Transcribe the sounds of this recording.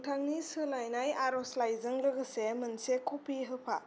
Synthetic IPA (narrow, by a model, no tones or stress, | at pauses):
tʰaŋnisɯlajnajaɾɔslajzɯŋɾɯɡɯsemɯnsekʰɔpʰiɦɯpʰa̰